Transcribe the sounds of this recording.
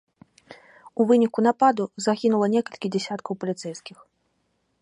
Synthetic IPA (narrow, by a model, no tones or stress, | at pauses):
uvɨnʲikunapad̪uzaɣʲinulˠɐnʲɛkɐlʲkʲid͡zʲɛsʲat̪kɐwpɐlʲit̪sɛjskʲix